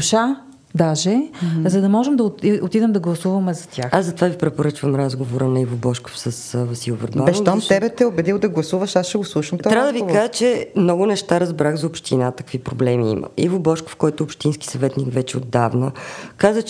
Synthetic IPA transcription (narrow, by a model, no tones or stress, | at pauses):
ʃa | d̪aʒɛzɐd̪ɐmɔʒɛmd̪ɐtot̪id̪ɛmd̪ɐɡlˠɐsuvɐmɛzɐt̪ʲʰaxazɐt̪ovavipɾɛpoɾət͡ʃvɐmɾazɡovoɾənɐivobɔʃko̥fsəsvɐsilˠvɛɾbaɛʃɔmt̪ɛbɛt̪ɛobɛd̪ilˠd̪ɐɡlˠɐsuvəʃasʃɛɡoslˠuʃəmt̪ɔɾavəd̪əvikaʒət͡ʃɛmnɔɡʊnɛʃt̪aɾɐzbɾaxzɐopʃt̪inat̪ɐ̥kvipɾoblɛmiḭmʔə̰ʔḭvobɔʃko̥fkɔjt̪ʊːpʃt̪inski̥sɐvɛt̪nikvɛt͡ʃɛod̪ːavnəkazət͡ʃ